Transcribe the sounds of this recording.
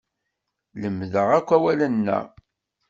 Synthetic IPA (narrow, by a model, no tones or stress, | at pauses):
ləmːðəʁækʷːæwælənːæ̰